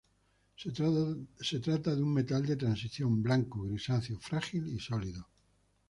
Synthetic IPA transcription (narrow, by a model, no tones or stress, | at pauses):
se̞t̪ɾat̪aðuŋme̞t̪ald̪e̞t̪ɾansiθjo̞mblaŋkoɣɾisanθjofɾaxilisoliðo